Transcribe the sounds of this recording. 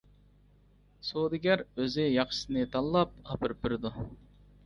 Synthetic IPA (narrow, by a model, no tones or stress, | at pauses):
sod̪ɪɡʲɛɾøzɪjɑχʃsɨnɨt̪ʰɑlˠlˠɑp̚ɑpʰɨɾp̚ːɪɾɪd̪u